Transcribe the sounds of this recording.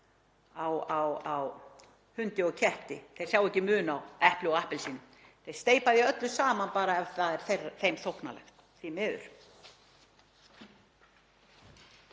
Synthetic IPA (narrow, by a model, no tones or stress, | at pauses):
awawaw | hʏnt̪ɪɔɣcʰɛht̪ɪθej̥sjawɛhcːɪmʏːnawɛhplɪɔahpɪlsiːnʏ | θejst̪eːjpaðjɛœt̪lʏsaːmanpaːɾaɛvθaðɛɾ̥θerːaθejmθowhkna̰lɛ̰x | θimɛːðʏ̰ɾ̥